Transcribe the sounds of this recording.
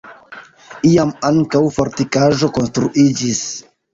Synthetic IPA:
iamaŋkawfoɾtikaʒo̞ko̞nstɾuʔid͡ʒis

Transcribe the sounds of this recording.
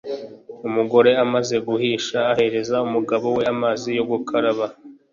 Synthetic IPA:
umuɡo̞ɾe̞amaze̞ɡuhiːʃaːhe̞ɾe̞zaumuɡaβo̞we̞amaːzijo̞ɡukʰaɾaβa

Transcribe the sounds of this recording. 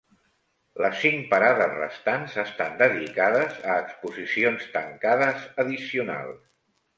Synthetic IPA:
ləsːiŋpəɾaðərə̰st̪anzəst̪and̪əðikaðəzəːkspuzisionst̪əŋkaðəzəðisiuna̰lˠ

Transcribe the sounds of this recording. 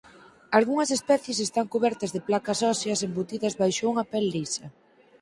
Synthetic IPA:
alɣuŋɐsespɛθjes̬est̪aŋkuβɛɾt̪ɐzðeplakɐsɔsjɐsembut̪iðɐzβajʃouŋɐpelːisɐ

